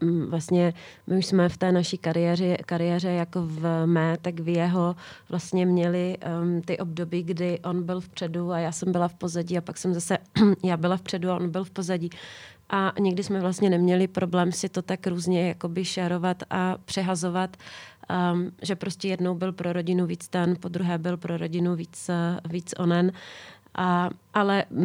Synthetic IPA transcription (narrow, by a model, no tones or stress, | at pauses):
vlast̪ɲɛmʔɪuʃsmɛft̪ɛːnaʃiːkaɾɪjɛːrɛkaɾɪjɛːr̝ɛjakovmɛːt̪akvjɛɦovlast̪ɲɛmɲɛlɪt̪ɪʔo̞b̚do̞biːɡdɪʔo̞nbɪlfpr̥ɛduajaːsɛmbɪlafpo̞zaɟiːapaksɛmzasɛjaːbɪlafpr̥ɛduaʔonbɪlfpo̞zaɟiː | ʔaɲɪɡdɪsmɛvlast̪ɲɛnɛmɲɛlɪpɾʔo̞blɛːmsɪt̪o̞t̪akɾuːzɲɛjakobɪʃaɾo̞vat̪ʔapr̝̥ɛɦazo̞vat̪ | ʒɛpɾo̞scɛjɛdnowbɪlpɾoɾo̞ɟɪnuviːt͡st̪ɛnpod̪ɾuɦɛːbɪlpɾoɾoɟɪnuviːt͡sviːt͡sʔo̰nɛnʔaʔalɛ